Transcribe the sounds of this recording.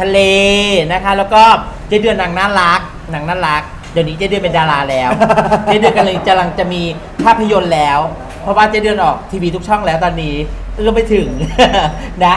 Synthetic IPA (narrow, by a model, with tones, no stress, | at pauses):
t̪ʰa˧leː˧na˦˥kʰa˦˥lɛː˦˥wkɔː˥˩ | t͡ɕa˨˩˦dɯ˧na˨˩˦ŋnaː˥˩la˦˥k̚ | na˨˩˦ŋaː˥˩ɾa˦˥k̚ | daː˨˩wniː˦˥t͡ɕa˨˩˦dɯ˧əme˧ndaː˧laː˧lɛː˦˥wnaː˧˥˩dɯ˧nka˧lɯː˧˦ka˧mla˧ŋt͡ɕa˨˩ʔmiː˧ | pʰaː˥˩pʰːa˧jo˧nlɛː˦˥w | pʰɔ˦˥waː˥˩t͡ɕa˨˩dɯ˧ənʔɔː˨˩k̚t̪ʰiː˧wiː˧t̪ʰu˦˥k̚t͡ɕʰɔ˥˩ŋlɛː˦˥wt̪ɔː˧nːiː˦˥ʔɯ˥˩ma˥˩jt̪ʰɯ˨˩˦ŋ | na˦˥